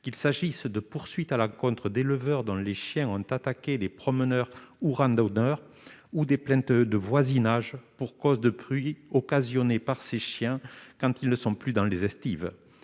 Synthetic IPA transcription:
kilsaʒisd̪əpuʁsɥit̪alɑ̃kɔ̃nt̪χəd̪eləvœʁd̪ɔ̃leʃjɛ̃ɔ̃t̪at̪aked̪epχɔmənœʁuʁɑ̃d̪onœʁ | ud̪eplɛ̃t̪d̪əvwazinaʒpuʁkɔzd̪əpχɥiɔkazjɔnepaʁseʃjɛ̃kɑ̃t̪ilnəsɔ̃plyd̪ɑ̃lezɛst̪iv

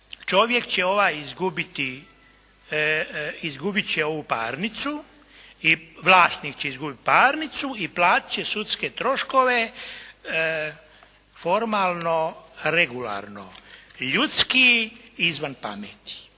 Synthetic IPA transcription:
t͡ʃo̞ʋje̞kt͡ɕeo̞ʋaːjizɡubit̪i | izɡubit̪t͡ɕeo̞ʋuːpa̰ːɾnit̪su | iʋlaːst̪niːkt͡ɕeizɡubit̪̚paːɾnit̪suiplaːt̪i̥t͡ɕesut̪sket̪ɾo̞ʃkoʋe̞ | fo̞ɾmaːlno̞ɾeɡula̰ɾno̰ʎut̪skiizʋanpa̰met̪i̥

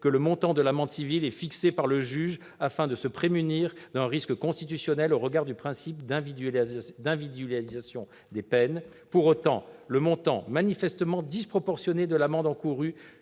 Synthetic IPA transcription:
kələmɔ̃t̪ɑ̃d̪əlamɑ̃d̪sivilɛfiksepaʁləʒyʒ | afɛ̃d̪əsəpχemyniʁd̪ɛ̃ʁiskəkɔ̃st̪it̪ysjɔnɛloʁəɡaʁd̪ypχɛ̃sipd̪ɛ̃v | d̪ɛ̃vid̪lalizasjɔ̃ | d̪epɛn | puʁot̪ɑ̰̃ləmɔ̃t̪ɑ̰̃manifɛst̪əmɑ̃d̪ispχɔpɔʁsjɔned̪əlamɑ̃d̪ɑ̃kuʁy

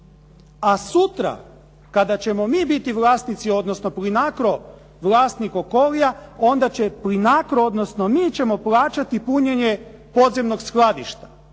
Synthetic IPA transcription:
asut̪ɾa̰ | kad̪at͡ɕe̞mo̞miːbit̪iʋlˠaːst̪nit̪sio̞d̪nosno̞plinakɾo̞ | ʋlˠaːst̪niko̞ko̞lijao̞nd̪at͡ɕeplinakɾood̪no̞sno̞miːt͡ɕe̞mo̞plaːt͡ʃat̪ipuɲe̞ɲe̞po̞d̪zemno̞ɡsxlˠad̪ḭʃt̪ḁ

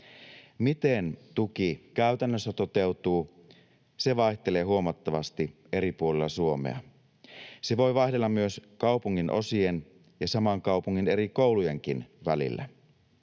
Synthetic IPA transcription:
mit̪e̞nt̪uk̟ikæyt̪ænːøsːæt̪o̞t̪e̞wt̪uː | se̞ʋɑiçt̪e̞le̞ːɦuo̞mɑt̪ːɑʋɑst̪i | e̞ɾipuolelːɑsuo̞mḛɑ̰ | se̞ʋo̞jʋɑiçdelːɑmːyø̞skɑupuŋːinʔo̞̰sien | jɑsɑmɑŋkɑupuŋːine̞ɾiko̞wluje̞ŋk̟inʋæ̰lḭlːæ̰

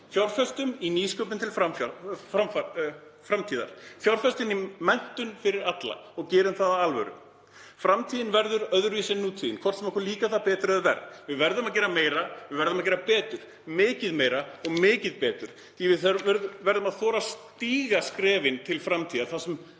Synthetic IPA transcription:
fjawɾfœst̪ʏminiːskœːpʏnt̪ʰɪlfaa | fɾamt̪ʰiːða̰ɾ̥fjawɾ̥fɛst̪ɪnimɛn̥t̪ʏnfɪɾɪɾat̪la̰ɔɣcɛːɾʏmθaðaalvœ̰ɾʏ̰m | fɾamt̪ʰiːðɪnvɛɾðʏɾœðɾviːsɛnːuːt̪ʰiːðɪnkʰvɔr̥t̪sɛmakʰɛɾliːkaθaðpɛːt̪ɾʏɛðvɛ̰ɾvɪðvɛɾðʏmaðc̬ɛːɾameːjɾavɪðvɛɾðʏmaðcɛːɾapɛːt̪ʏɾ̥ | mɪːcɪðmeːjɾaɔɣmɪːcɪðpɛːt̪ʏɾ̥ | θivɪθɾvɛɾðʏmaðθɔːɾast̪iːɣaskɾɛːvɪnt̪ʰɪlfɾamt̪ʰiːðaɾθasɛm

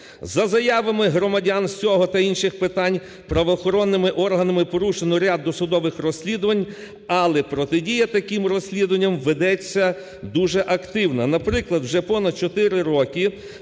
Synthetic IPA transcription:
zɐzɐjɑʋɐmɪɦɾɔmɐdʲansʲɔɦɔt̪ɐinʃɪxpɪt̪ɑnʲ | pɾɐʋɔːxɔɾɔnːɪmɪʔɔrɦɐnɐmɪpɔɾuʃenɔɾʲad̪ːɔsʊd̪ɔʋɪxrɔsʲlʲid̪ʊʋɐnʲ | ɐlˠɛpɾɔt̪ɪdʲijɐt̪ɐkimrɔsʲlʲid̪ʊʋɐnʲːɐmʋed̪ɛt͡sʲːɐ | d̪uʒɛʔɐkt̪ɪwnɐnɐpɾɪklˠɐd̪wʒɛpɔnɐd̪̚t͡ʃɔt̪ɪɾɪɾɔkʲi

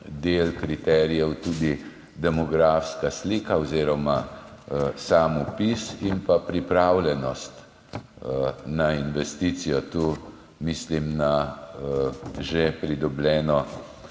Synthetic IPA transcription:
d̪eːlkɾit̪ɛːɾijɛwt̪uːd̪i | d̪ɛmɔɡɾaːfskasliːkaɔziːɾɔma | saːmupisinpapɾipɾaːwlʲɛnɔst̪ | nainʋɛst̪it̪sijɔt̪uː | miːslimna | ʒepɾid̪ɔblʲɛːnɔ

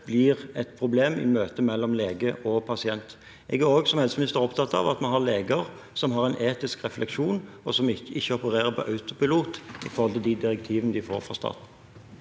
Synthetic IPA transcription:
b̥lɪʁɛt̪pʰɾʊbleːmɪ̰møːt̪əmɛlːɔmleːɡəʔɔpʰɑsɪɛnt̪ | ɛːɡæɾoːɡsɔmhɛlsəmɪnɪst̪əɾʁɔpt̪ʰɑt̪ːɑ̰ʋɑ̰t̪mɛɦɑʁleːɡəʁ | sɔmɦɑʁɛɪnʔeːt̪ɪskʁɛflʔɛkʃuːnɔsɔmɪɪçːəɔpəɾeːʁəpʰɔʔɑʉt̪ʊpɪluːt̪ɪ̰fɔɾhɔlt̪əd̪id̪ɪʁɛk̚t̪ʰiːʋənəd̪ɪfo̰ːɾfɾɑ̰st̪ɑ̰ːt̪n̩

